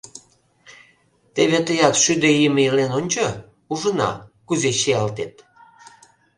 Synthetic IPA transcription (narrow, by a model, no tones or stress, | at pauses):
t̪eβet̪əjɑt̪ʃyd̪eiməilenonʲt͡ɕo | uʒənɑ̰kuzeɕeɑlt̪et̪